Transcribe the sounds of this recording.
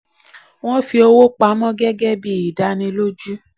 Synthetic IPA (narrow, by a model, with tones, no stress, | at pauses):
w̃ɔ̃˦fi˧o˧wo˦k͡pa˨˦mɔ̃˦ɡɛ˦ɡɛ˦bi˦˨i˨da˨˧nĩ˧˦lo˦d͡ʒu˦